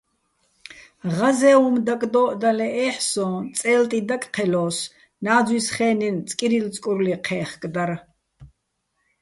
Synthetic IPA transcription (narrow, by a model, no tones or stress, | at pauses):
ʁazɛːumd̪akʼd̪ɔːʔd̪alɛʔɛːħsɔ̃ːt͡sʼɛːlt̪ʼid̪akʼqʰɛlɔːs | naːzwisχɛːnint͡sʼkʼiɾilt͡sʼkʼuɾliqʰɛːχkʼd̪aɾ